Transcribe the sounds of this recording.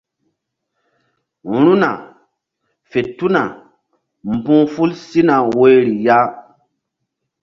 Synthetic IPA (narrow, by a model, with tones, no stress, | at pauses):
ɾu˦na˨ | fe˨tu˦na˨ | mbũ˦fu˦lsi˦na˨we˦ɾi˨ja˦